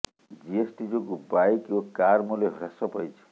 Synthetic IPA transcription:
d͡ʒiesʈid͡ʒokubajkokaɾmuleɦuɾasʌpʌjt͡sʰi̥

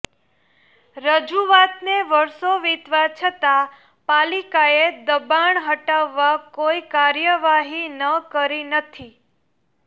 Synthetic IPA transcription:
ɾəd͡ʒuʋat̪neʋəɾsoʋit̪ʋat͡ʃʰət̪a | palikaed̪əbaɳɦəʈaʋːakoikaɾjəʋaɦinəkəɾinət̪ʰi

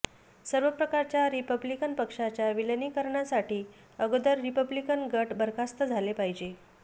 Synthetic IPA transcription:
səɾʋəpɾəkaɾt͡ɕjaɾipəblikənpəkʂat͡ɕjaʋiləniːkəɾɳjasaʈiː | əɡd̪əɾːipəblikənɡəʈbʱəɾkʰast̪əd͡zʱalepaɦid͡ʑe

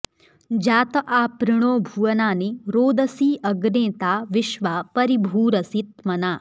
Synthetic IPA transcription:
d͡ʒaːt̪ɐʔaːpɾɪɳ̃oːbʱuʋɐnaːniɾoːd̪ɐsiːʔɐɡneːt̪aːʋɪʃʋaːpɐɾibʱuːɾɐsit̪mɐnaː

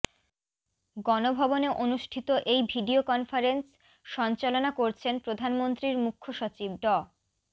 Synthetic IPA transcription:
ɡɔnobʱɔboneʔonuʃʈʰit̪oʔejbʱiɖiokɔnfaɾens | ʃɔnt͡ɕalonakoɾt͡ɕʰenpɾod̪ʱanmont̪ɾiɾmukʰːoʃot͡ɕib̚ɖɔ

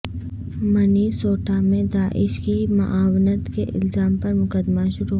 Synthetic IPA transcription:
mɐnisoːʈʰamẽd̪aːʔɪʃkimɐ̰ʔaːwnət̪keʔɪ̰lzaːmpɐɾmʊkəd̪maʃʊɾuɦ

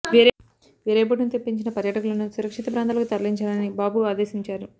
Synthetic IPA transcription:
ʋeːɾ | ʋiːɾeːp̬ɐʈ̬inut̪epːiɲt͡ʃinɐpɐɾjɐʈɐkulɐnusuɾɐkʂit̪ɐpɾaːnt̪alɐkut̪ɐɾliɲt͡ʃaːlɐnibaːbuaːd̪eːsiɲt͡ʃaːɾu

